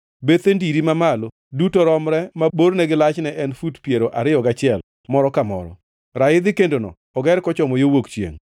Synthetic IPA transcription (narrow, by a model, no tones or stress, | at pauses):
bet̪endiɾimamalo | dutoɾɔmɾɛmaboɾnɛɡɪlat͡ʃnɛʔɛnfutpjeɾoʔaɾɪjɔɡat͡ʃɪɛl | mɔɾɔkamɔ̰ɾɔ̰ | ɾaɪd̪ɪkendonɔ̰ | ɔɡɛɾkɔt͡ʃɔmɔjowokt͡ʃjḛŋ